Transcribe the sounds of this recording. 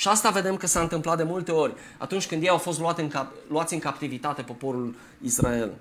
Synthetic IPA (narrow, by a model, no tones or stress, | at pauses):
ʃiast̪ave̞d̪e̞mkəsaɨnt̪ɨmplat̪̚d̪e̞mult̪e̞o̞rʲ | a̰t̪unt͡ʃʲkɨnd̪jejawfo̞s̬t̪luat̪ɨŋka | luat̪sʲɨŋkapt̪ivit̪at̪e̞po̞po̞ɾul | israe̞l